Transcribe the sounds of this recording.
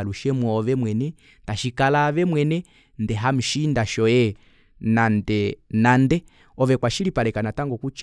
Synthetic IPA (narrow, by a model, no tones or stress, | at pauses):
luʃɛmwɔːʋɛmwɛnɛ | taʃikalaʋɛmwɛnɛ | ndɛɦam̩ʃindaʃɔjɛ | nandɛnandɛ | ɔʋɛkwaʃilipalɛkanataŋɡɔkut͡ʃ